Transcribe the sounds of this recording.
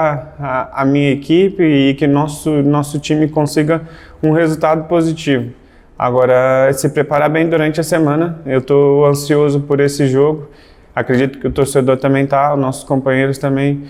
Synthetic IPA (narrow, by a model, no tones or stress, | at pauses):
aamĩɲɐekipɪːkɪnɔsʊnɔsʊt͡ʃĩmɪkõsiɡɐ | ũhezuwt̪ad̪ʊpozit͡ʃivʊ | a̰ɡɔɾɐsɪpɾepaɾabẽj̃d̪uɾɐ̃nt͡ʃɪɐsemɐ̃nɐewt̪oɐ̃siozʊpoɾesɪʒoɡʊ | akɾed͡ʒit̪ʊ̥kɪʊt̪oɾsed̪oɾt̪ɐ̃mbẽj̃t̪aʊnɔsʊ̥skõmpɐ̃ɲ̃eɾʊst̪ɐ̃mbẽj̃